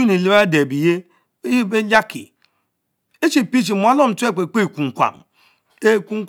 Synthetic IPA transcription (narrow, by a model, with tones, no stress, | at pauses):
i˦ni˨li˦ba˦de˨bi˨je˦ | be˦d͡ʒa˦kḭ˨ | e˦t͡ʃi˨pi˦t͡ʃi˨m˨a˦lo˦m̩˨tu˦e˦˨k͡pe˨k͡pe˦˨ku˨ŋ˨kʷa̰˨m | e˦˨ku˦ŋ˦